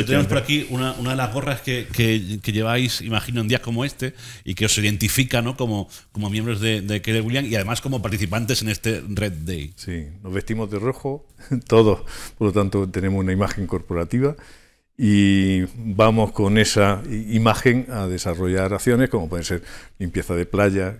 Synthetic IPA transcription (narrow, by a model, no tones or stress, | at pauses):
ot̪eneospoɾakiunaʔunaðe̞lazɣo̞raske̞ke̞ke̞ʎe̞βajsimaxinond̪iasko̞moe̞st̪e̞ḭke̞o̞siðe̞nt̪ifikano̞ko̞mo̞ | ko̞mo̞mjembɾo̞zðe̞d̪ekeleɣuljaŋiaðe̞masko̞mo̞paɾt̪iθipant̪e̞se̞ne̞st̪e̞ret̪̚d̪ḛjsino̞zβe̞st̪imozðeroxo̞t̪o̞ðo̞hpoɾlot̪ant̪ot̪e̞nemosunaimaxeŋko̞ɾpo̞ɾat̪iβa | i | bamohko̞nesaimaxe̞ŋaðe̞saro̞ʝaɾaθjo̞ne̞hko̞mopwo̞ðense̞ɾlimpje̞θaðe̞plaʝa